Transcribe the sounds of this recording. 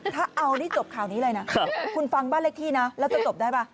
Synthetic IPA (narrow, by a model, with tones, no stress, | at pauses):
t̪ʰaː˥˩ʔa˧wniː˥˩t͡ɕo˨˩p̚kʰaː˨˩wniː˦˥lɤː˧jna˦˥ka˦˩kʰu˧nfa˧ŋbaː˥˩nle˥˩t̪ʰiː˥˩na˦˥lɛ˦˥wt͡ɕa˨˩t͡ɕo˨˩p̚daː˥˩jbaː˥˩